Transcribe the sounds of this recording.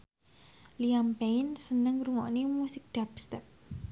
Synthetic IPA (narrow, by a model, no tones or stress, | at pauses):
liampeɪnsənəŋɾuŋɔ̰ʔnimusɪk̚d̪̥apst̪ɛp̚